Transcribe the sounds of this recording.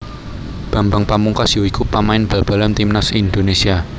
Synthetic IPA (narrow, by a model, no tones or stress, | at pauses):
b̥ä̤mbaŋpamuŋkasjuikupamaɪnb̥a̤b̥a̤lamt̪imnasind̪onesia